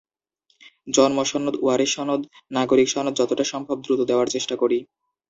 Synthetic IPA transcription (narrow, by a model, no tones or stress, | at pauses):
d͡ʑɔnmɔʃɔnːod̪uaɾeʃɔnod̪naɡoɾikʃɔnod̪̚d͡ʑɔt̪oʈaʃɔmbʱab̚d̪ɾut̪od̪eoaɾt͡ɕeʃʈakoɾi